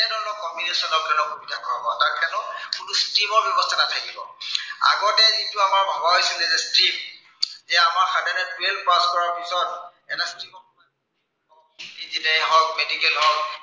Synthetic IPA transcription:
ɛnɔnɔkɔmbinesɔnɔpkʰɛlɔkobitakʰabɔtaɹkʰɛnɔkunustimɔɹbjɔbɔstʰanatʰakibɔ̰a̰ɡɔtɛzituamaɹbʱɔbaɦojsilɛzɛstim | zɛamaɹxadɛnɛtuelpaskɔɹaɹpizɔn | ɛnastimɔma | ɔkdizinajɦɔk̚medikɛlɦɔk̚

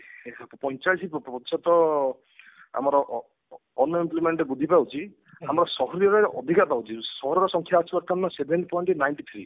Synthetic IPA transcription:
pɔɲt͡ʃajsippɔt̪isɔt̪ɔ | a̰mɔɾɔʔ | ɔnːɔimplimeɳʈɾebud̪ʱipawt͡ʃʰi | amɔɾɔsɔɦɔɾijɔɾeʔɔ̰d̪ʱikapawt͡ʃʰisɔɦɔɾɔɾɔsɔŋkʰjaːt͡ʃʰuɔɾt̪ʰamnɔsebʱenʈpɔjɳʈnajɳʈit̪ʰɾi

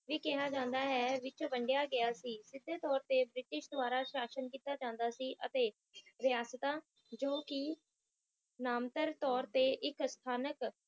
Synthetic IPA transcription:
ʋiːkɪɦaːd͡ʒãːnd̪aːɦɛːʋɪt͡ʃʋəɳɖɪjaːɡɪjaːsiːsɪd̪ʱːeːt̪ɔːɾt̪eːbɾɪʈɪʃd̪oaːɾaːʃaːʃənkiːt̪aːd͡ʒãːnd̪aːsiːʔə̰t̪eː | ɾɪjaːst̪ãː | d͡ʒoːkɪ | naːmt̪əɾt̪ɔːɾt̪eːʔɪkst̪ʰaːnək

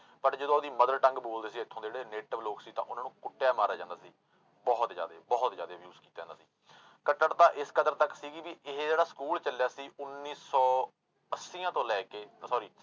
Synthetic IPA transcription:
pəʈd͡ʒəd̪õːd̪iːməd̪əɾʈə̃ŋɡboːld̪eːsiːɪt̪ʰːõːd͡ʒeːɽeːneːʈəʋloːksiːt̪ã̰ːʔʊnãːnũːkʊʈːjaːmaːɾaːd͡ʒãːnd̪aːsiː | bɔːt̪zja̰ːd̪ḛːbɔːt̪zjaːd̪eːbjuːzkiːt̪aːãnd̪aːsiː | kəʈːəɾt̪ãːʔɪskəd̪əɾt̪əksiːɡiːʋiːʔɪɦd͡ʒeːɽaːskuːlt͡ʃəljaːsiːʔʊnːiːsɔː | əsːiːãːt̪õːlɛːkeːsɔːɾiː

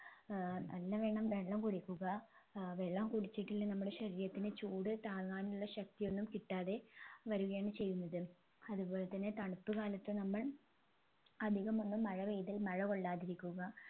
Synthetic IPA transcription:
nʔɐ̰lːɐʋe̞ːɳɐmʋe̞ɳɖɐmkuɽikʲːuɣɐʋe̞ɭːɐmkuɽit͡ɕːiʈːilːnɐmːuɽe̞ɕɐɾiːjɐt̪ːinɨt͡ɕuːɽɨt̪aːɡaːnuɭːɐɕɐk̚t̪ijo̞nːumkiʈːaːðe̞ʋɐɾuɣɐjaːɳɨt͡ɕe̞jːunːɐðɨ | ɐðupo̞ːle̞t̪ːɐnːet̪ɐɳupːɨkaːlɐt̪ːɨnɐmːɐɭ | ɐd̪ʱiɣɐmo̞nːumːɐɻɐʋejðɐlmɐɻɐko̞ɭːaːðiɾikʲːuɣɐ

